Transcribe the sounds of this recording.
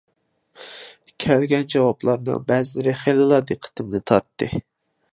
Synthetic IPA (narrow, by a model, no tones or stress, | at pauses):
kʲʰælɡʲɛnd͡ʒɑwɑplˠɑɾnɨ̰ŋbɛzlɪɾɪχelɨlˠɑɾd̪ɨqʰːə̥t̪ʰɪmnɪt̪ʰɑɾt̪ːɨ